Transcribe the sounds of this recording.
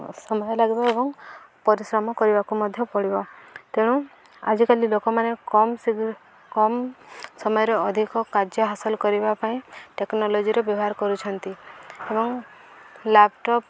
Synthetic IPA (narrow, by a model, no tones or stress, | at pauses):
sɔmɔjɔlaɡibɔebɔŋ | pɔɾisɾɔmɔkɔɾibakumɔd̪ʱjɔpɔɽibɔt̪eɽ̃ũ | a̰d͡ʒikalilokɔmanekɔmsi | kɔmsɔmɔjɔɾeɔd̪ʱikɔkaɾd͡ʒjɔɦasɔlɔkɔɾibapaĩʈeknɔlod͡ʒiɾebjɔbɔɦaɾkɔɾut͡ʃʰɔnt̪iebɔŋ | lap̚ʰʈɔp